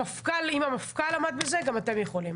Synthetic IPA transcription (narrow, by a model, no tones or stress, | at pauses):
afkalimamafkalamad̪beze̞ɡamat̪e̞mjeχo̞lim